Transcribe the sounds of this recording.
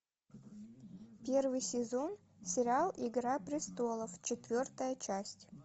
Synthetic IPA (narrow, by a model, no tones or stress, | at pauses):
pʲervɨjsʲɪzo̞n | sʲɪɾʲɪalˠɪɡɾapɾʲɪst̪o̞lˠəft͡ɕɪt̪vʲo̞rt̪əjət͡ɕæsʲtʲ